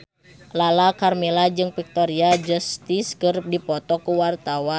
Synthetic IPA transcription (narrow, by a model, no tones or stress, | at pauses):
lalakarmilad͡ʒɨŋpik̚t̪ɔɾiad͡ʒɔst̪iskəɾp̚dipɔt̪ɔkuwart̪awa